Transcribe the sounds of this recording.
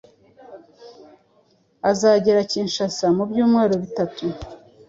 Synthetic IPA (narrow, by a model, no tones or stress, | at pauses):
azaɟeɾaciːnʃasamubɟuːmŋe̞ːɾo̞βitatu